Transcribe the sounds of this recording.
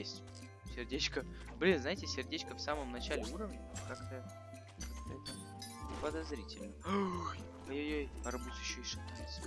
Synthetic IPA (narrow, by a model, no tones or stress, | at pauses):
jesʲtʲ | sʲɪrdʲet͡ɕkə | blʲinznajɪtʲɪsʲɪrdʲet͡ɕkəfsaməmnɐt͡ɕalʲɪuɾəvnʲɪkakt̪əjə | kakt̪əɛt̪ə | pəd̪ɐzɾʲitʲɪlʲnə | ojojojɾɐbut̪ʲɪɕːoɪʂɨt̪ansʲ